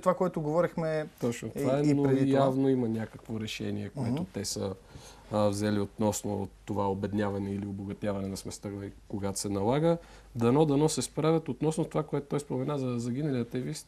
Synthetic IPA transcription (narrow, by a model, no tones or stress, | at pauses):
t̪ovakoɛt̪ʊɡovɔɾixmɛt̪ɔt͡ʃnot̪ovaɛoɾɛij̪avnoimɐnʲakəkvoɾɛʃɛ̰niɛkoɛt̪ot̪ɛsə̰ | vzɛliot̪nɔsnot̪ːovaobɛd̪nʲavɐnɛilioboɡɐt̪ʲavɐnɛnɐsmɛst̪aɡikoɡat̪sɛnɐlˠaɡə | d̪ɐnɔd̪ɐnɔsɛspɾavʲət̪ot̪nɔsnot̪ovakoɛt̪o̥t̪ɔjspomɛnazɐzɐɡʲinɐliɐt̪ːɛvist̪̚